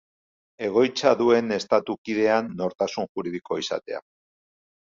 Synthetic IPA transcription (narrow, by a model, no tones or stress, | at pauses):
e̞ɣ̞o̞jt͡saðue̞ne̞st̪at̪ukiðe̞anːo̞ɾt̪asunʝuɾiðiko̞isa̰t̪e̞̰a̰